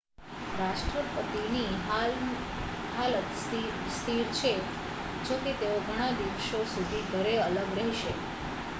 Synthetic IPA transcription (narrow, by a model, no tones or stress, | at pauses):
ɾaʃʈɾəpət̪iniɦa | ɦalət̪ | st̪ʰiɾt͡ʃʰe | d͡ʒoket̪eoɡʱəɽ̃ad̪iʋʃosud̪ʱiɡ̪ʱəɾeələɡɾeɦjʃe